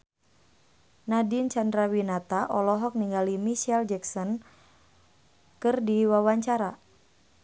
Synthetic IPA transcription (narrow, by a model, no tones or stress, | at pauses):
nadint͡ʃandɾawinat̪aʔɔlɔɦɔk̚niŋɡalimiʃɛld͡ʒɛksɔn | kɨrdiwawaɲt͡ʃaɾa